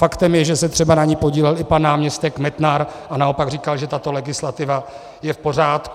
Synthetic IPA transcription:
fakt̪ɛmjɛʒɛsɛt̪r̝̥ɛbanaɲiːpo̞ɟiːlɛlɪpanːaːmɲɛst̪ɛkmɛt̪naɾʔanao̞paɡriːkalʒɛt̪at̪o̞lɛɡɪslat̪ɪva | jɛfpo̞raːt̪k

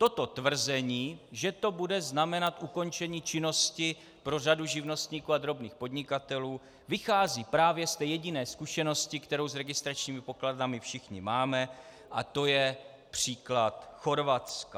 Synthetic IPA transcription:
t̪o̞t̪o̞t̪vr̩zɛɲiːʒɛt̪o̞budɛznamɛnat̪ʔuko̞nt͡ʃɛɲiːt͡ʃɪno̞scɪ | pɾo̞raduʒɪvno̞st̪ɲiːkuːad̪ɾo̞bniːxpo̞d̪ɲɪkat̪ɛluː | vɪxaːziːpɾaːvjɛst̪ɛːjɛɟɪnɛːskuʃɛno̞scɪkt̪ɛɾo̞wzɾɛɡɪst̪ɾat͡ʃɲiːmɪpo̞kladamɪfʃɪxɲɪmaːmɛ | ʔat̪o̞jɛ | pr̝̥iːklat̪xo̞ɾvat̪ska

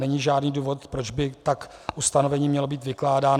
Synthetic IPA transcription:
ɛɲiːʒaːdniːduːvo̞t̪pɾod͡ʒbɪt̪akʔust̪anovɛɲiːmɲɛlobiːt̪vɪklaːdaːn

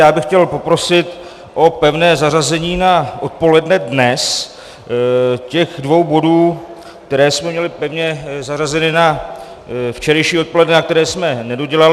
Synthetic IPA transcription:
jaːbɪxcɛlpo̞pɾo̞sɪt̪ | ʔo̞pɛvnɛːzarazɛɲiːnaʔo̞t̪̚po̞lɛdnɛdnɛs | cɛxdvo̞wbo̞duː | k̚t̪ɛɾɛːsmɛmɲɛlɪpɛvɲɛzarazɛnɪna | ft͡ʃɛɾɛjʃiːo̞t̪̚polɛdnɛnak̚t̪ɛɾɛːsmɛnɛdoɟɛlal

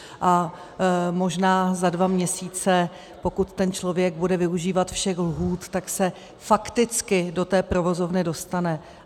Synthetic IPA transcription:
ʔa | mo̞ʒnaːzadvamɲɛsiːt͡sɛ | po̞kut̪t̪ɛnt͡ʃlo̞vjɛɡbudɛvɪuʒiːvat̪fʃɛxlɦuːt̪t̪aksɛ | fakt̪ɪt͡skɪdo̞t̪ɛːpɾo̞vo̞zo̞vnɪdo̞st̪anɛ

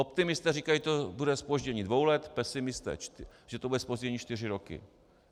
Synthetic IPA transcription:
opt̪ɪmɪst̪ɛːriːkajiɛt̪obudɛspoʒɟɛɲiːdvo̞wlɛt̪pɛsɪmɪst̪ɛ̰ːt͡ʃt̪ʒ̥ɛt̪obudɛspoʒɟɛɲiːt͡ʃt̪ɪrɪɾokɪ̰

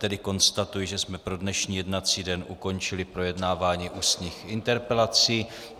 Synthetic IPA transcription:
t̪ɛdɪko̞nst̪at̪ujɪʒɛsmɛpɾo̞dnɛʃɲiːjɛdnat͡siːdɛnʔṵko̞nt͡ʃɪlɪpɾo̞jɛdnaːvaːɲiːʔust̪ɲiːxɪnt̪ɛɾpɛlat͡siː

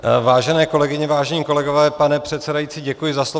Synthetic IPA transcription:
vaːʒɛnɛːko̞lɛɡɪɲɛvaːʒɛɲiːko̞lɛɡo̞vɛːpanɛpr̥ɛt̪t͡sɛdajiːtt͡siːɟɛkujɪzaslo

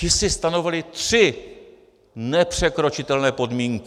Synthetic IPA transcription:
ɪsɪst̪ano̞vɪlɪt̪r̥ɪ | nɛpr̝̥ɛkɾo̞t͡ʃɪt̪ɛlnɛːpo̞dmiːŋk

